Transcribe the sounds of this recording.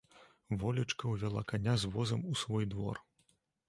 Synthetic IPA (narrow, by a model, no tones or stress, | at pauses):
vɔlʲɐt͡ʂkɐwvʲalˠakanʲazvɔzɐmusvɔjd̪vɔ̰r